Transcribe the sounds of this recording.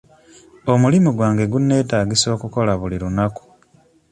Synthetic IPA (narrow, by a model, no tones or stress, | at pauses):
o̞mulimuɡwaːŋɡe̞ɡunːe̞ːtaːɡiso̞ːkuko̞laβuliɾunaku̥